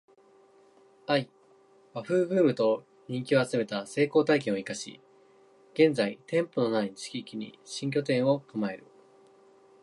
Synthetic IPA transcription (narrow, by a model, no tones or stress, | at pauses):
ai | βaɸɯ̟ːɡɯ̟ːmɯ̟t̪o̞ | ɲ̟ĩŋkʲio̞at͡sɨme̞t̪ase̞ːko̞ːt̪aikẽɰoikaɕḭ | ɡ̥ẽ̞nd͡zait̪ẽ̞mpo̞no̞nait͡ɕi̥kʲikʲiɲ̟ḭɕĩŋk̬ʲo̞t̪ẽ̞ɰ̃o̞kɯmae̞ɾɯ̟̰